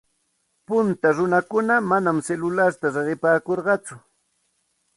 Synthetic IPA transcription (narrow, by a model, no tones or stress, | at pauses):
pʊnt̪aɾʊnakʊnamanamselʊlaɾt̪aɾeɢɪpaːkoɾɢɑt͡sʊ